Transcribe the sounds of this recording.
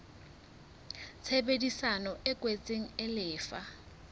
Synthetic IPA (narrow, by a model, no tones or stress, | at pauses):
t͡sʰɛbedisanɔʔɛkʼwet͡sʼeŋ̩ɛlɪːfa